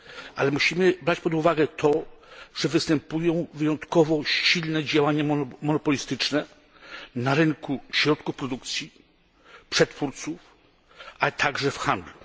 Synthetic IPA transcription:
ʔa̰lɛmuɕimɘbɾat͡ɕpɔd̪uvaɡɛt̪ʰɔʐ̥ɛvɘst̪ɛmpujɔ̃w̃vɘjɔ̃nt̪kɔvɔɕilnɛd͡ʑawaɲamɔnɔpɔlʲist̪ɘt͡ʂnɛ | naɾɘŋkuɕɾɔt̪kufpɾɔd̪ukt̪sʲji | pʂɛt̪fuɾt̪suf | ʔat̪ʰaɡʐɛfxand̪lu

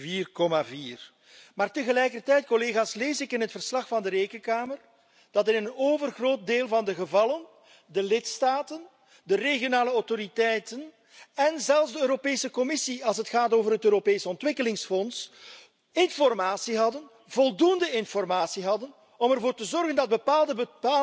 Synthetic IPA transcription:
viːrkɔmaviːr | maːrtəɣəlɛjkərtɛjt̚kɔleːɣaːsleːsɪkɪnɦətfərslɑxfɑndəɾeːkənkaːmər | d̥ɑtɪnənnoːvərɣroːt̚deːlˠvɑndəɣəvɑlən | dəlɪtstaːtən | dəreɣjonaːləɔwtoɾitɛjtən | ɛnzɛlˠvzdəøːɾopeːsəkɔmɪsiɑlˠs̬ɦətxaːtoːvərɦətøːɾopeːsəɔntwɪkəlɪŋsfɔns | ɪnfɔrmaːtsiɦɑdən | vɔlˠdundəɪnfɔrmaːsiɦɑdən | ɔmɛrvoːrtəzɔrɣəndɑd̚bəpaːlˠdəbəpa

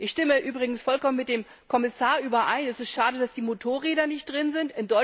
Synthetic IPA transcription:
ʔɪçʃtɪməʔyːbʁɪɡŋ̩sfɔlkɔmənmɪt̚d̥eːm | kʰɔmɪsaːɐʔyːbɐʔaɪnɛsɪstʃaːdəd̥asd̥iːmotʰoːɐʁeːdɐnɪçt̚d̥ʁɪnzɪntɪndɔʏ

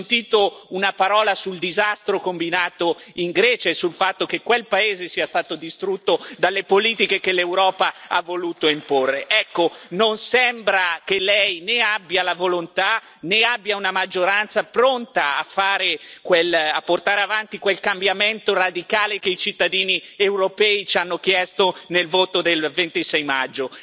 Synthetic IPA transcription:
nt̪iːt̪ounapaɾɔːlasuld̪izast̪ɾokombinaːt̪oiŋɡɾɛːt͡ʃaesulfat̪ːokekːwelpaeːzesiːast̪aːt̪od̪ist̪ɾut̪ːod̪alːepoliːt̪ikekelewɾɔːpaa̰vːoluːt̪oimporːeʔɛkːononsɛmbɾakelɛjneabːjalavolont̪a | neabːjaunamad͡ʒːoɾant̪sapɾont̪aafːaːɾekwelapːort̪aːɾeavant̪ikwelkambjament̪orad̪ikaːlekeit͡ʃit̪ːad̪iːniewɾopɛːit͡ʃanːokjɛst̪onelvoːt̪od̪elvent̪isɛjmad͡ʒːo

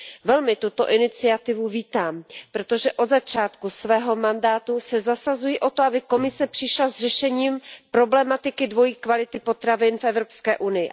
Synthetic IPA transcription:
vɛlmɪt̪ut̪o̞̰ʔɪnɪt͡sɪat̪ɪvuviːt̪aːmpɾo̞t̪o̞ʒɛʔo̞d̪zat͡ʃaːt̪kusvɛːɦo̞mandaːt̪usɛzasazujiʔo̞t̪oabɪko̞mɪsɛpr̝̥ɪʃlazrɛʃɛɲiːmpɾo̞blɛmat̪ɪkɪdvo̞jiːkvalɪt̪ɪpo̞t̪ɾavɪnfʔɛvɾo̞pskɛːʔunɪjɪ

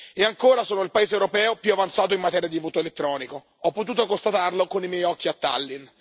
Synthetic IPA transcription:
eaŋkoːɾasoːnoilpaeːzewɾopɛːopjuavant̪saːt̪̬oimːat̪ɛːɾjad̪ivoːt̪oelet̪ːɾɔːniko | ɔpːot̪uːt̪okost̪at̪arlokonimjɛjɔkːiat̪ːa̰lːin

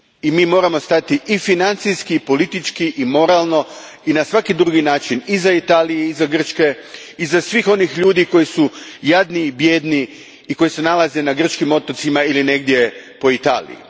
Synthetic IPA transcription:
imiːmo̞ːɾamo̞st̪at̪iʔifinant̪sijskipo̞lit̪it͡ʃkiʔimo̞ɾalˠno̞ | inasʋakid̪ɾuɡinaːt͡ʃinizait̪aːlijeizaɡr̩t͡ʃke̞ | izasʋiːxo̞nixʎuːd̪iko̞jisujad̪nibjeːd̪ni | iko̞jise̞nalˠaze̞naɡr̩t͡ʃkimo̞t̪ot̪simailine̞ɡd̪je̞po̞it̪a̰ːlḭjḭ

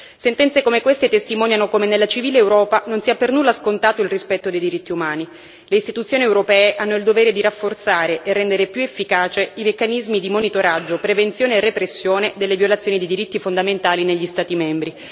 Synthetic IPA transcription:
sent̪ɛnt̪sekomekwest̪et̪est̪imɔːnjanokomenelːat͡ʃiviːleːwɾɔːpanonsiːapernulːaskont̪aːt̪oilrispɛt̪ːod̪ejd̪iɾit̪ːiumaːni | leist̪it̪ut̪sjoːniewɾopɛːeʔanːoild̪oveːɾed̪iɾafːort̪saːɾeʔerːɛnd̪eɾepjuefːikaːt͡ʃeimekːanizmid̪imonit̪oɾad͡ʒːopɾevent̪sjoːneːrːepɾesːjoːned̪elːevjolat̪sjoːnid̪ed̪iɾit̪ːifond̪ament̪aːlineʎːist̪aːt̪imɛmbɾi

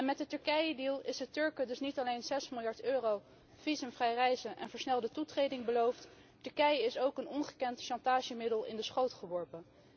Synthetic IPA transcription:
ɛnmɛt̚dətɵɹkɛjədilˠɪsətɵɹkədɵsnitɑlejnz̥ɛsmɪlˠjɑɹtøːrow | v̥izəmvrɛjrɛjzəʔɛ̰nvəɹsnɛlˠdətutrejdɪŋbəlowft | tɵɹkɛjəɪsowkənɔnχəkɛntʃɑntaːʒəmɪdəlˠɪ̰ndəsχowtχəʋɔɹpən

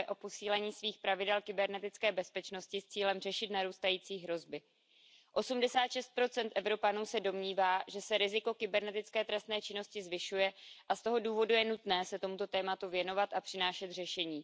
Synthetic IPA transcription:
ɛʔo̞po̞siːlɛɲiːsviːxpɾavɪdɛlkɪbɛɾnɛt̪ɪt͡skɛːbɛspɛt͡ʃno̞scɪst͡siːlɛmr̝ɛʃɪt̪naɾuːst̪ajiːt͡siːɦɾo̞zbɪ | ʔo̞sumdɛsaːt̪ʃɛst̪̚pɾo̞t͡sɛnt̪ʔɛvɾo̞panuːsɛdo̞mɲiːvaːʒɛsɛɾɪzɪko̞kɪbɛɾnɛt̪ɪt͡skɛːt̪ɾɛst̪nɛːt͡ʃɪno̞scɪzvɪʃujɛʔast̪o̞ɦo̞duːvo̞dujɛnut̪nɛːsɛt̪o̞mut̪o̞t̪ɛːmat̪uvjɛno̞vat̪ʔapr̥ɪnaːʃɛt̪r̝ɛʃɛɲiː

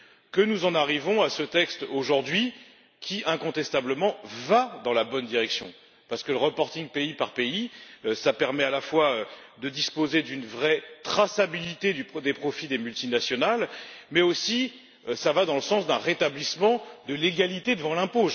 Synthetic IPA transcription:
kənuzɑ̃naʁivɔ̃asət̪ɛkst̪oʒuʁd̪ɥi | kʲʰiʔɛ̃kɔ̃t̪ɛst̪abləmɑ̃vad̪ɑ̃labɔnd̪iʁɛksjɔ̰̃ | paʁsə̥kələʁəpɔʁt̪ĩŋɡpeipaʁpeiøsapɛʁmɛalafwaød̪əd̪ispozed̪ynvʁɛt̪χasabilit̪ed̪yd̪epχɔfid̪emylt̪inasjɔnalmɛosi | øsavad̪ɑ̃ləsɑ̃sd̪ɛ̃ʁet̪ablismɑ̃d̪əleɡalit̪ed̪əvɑ̃lɛ̃po

